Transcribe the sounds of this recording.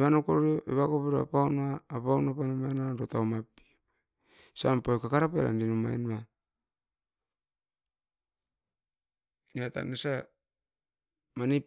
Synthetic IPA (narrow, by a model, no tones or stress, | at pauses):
βanokoɾɾioʔeβakopeɾoa̰paunaːpaunapanomajnaɾotawmapi̥ | sampajkakaɾapeɾa̰ndinuma̰jnua | niata̰nesa | mani